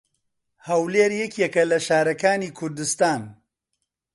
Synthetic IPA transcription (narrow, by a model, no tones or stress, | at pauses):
hɐwleːɾjɛkjɛkɐlɐʃaːɾɐkaːniːkʰʊɾd̪ɨst̪aːn